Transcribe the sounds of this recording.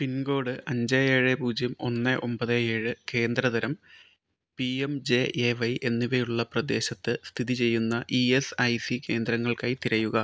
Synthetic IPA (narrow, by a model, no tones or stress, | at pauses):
pinɡo̞ːɽɨʔɐɲd͡ʑɐjeːɻepuːd͡ʑjɐmo̞̰nːɐʔo̞mpɐðɐjeːɻɨke̞ːnd̪ɾɐðɐɾɐm | piemd͡ʑe̞ʔeʋɐjʔe̞nːiʋejuɭːɐprɐd̪e̞ːɕɐt̪ːɨst̪ʰiðit͡ɕe̞jːunːɐʔiesɐjsike̞ːnd̪ɾɐŋːɐɭkaːjit̪iɾɐjuɣɐ